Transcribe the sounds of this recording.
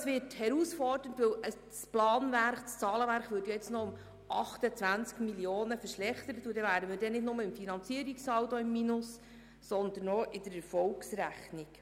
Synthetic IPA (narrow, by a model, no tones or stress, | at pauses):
ɑsʋɪthɛɾusfɔrdən̩tʋɪwə | splɑːnvæɾχst͡sɑːləʋæɾχʋʏːtjɑjɛt͡snɔʊm | ʔɑχtət͡sʋænt͡skmiljoːnəfəɾʃlɛχt̪əɾətʊdɛvæːdənmɪːdɛnɪdnʊməɪmfinɑnt͡siəɾiksɑwtɔɪmːinʊs | sɔnd̪ənːɔʔɪdəɾɛɾfɔlksɾæχnik